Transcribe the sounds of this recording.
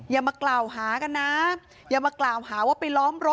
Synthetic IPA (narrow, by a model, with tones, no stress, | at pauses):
jaː˨˩maː˧klaː˨˩wɦaː˨˩˦ka˧nːa˦˥ | jaː˨˩maː˧klaː˨˩wɦaː˩˦waː˥˩pa˧jlɔː˦˥mɾo˦˥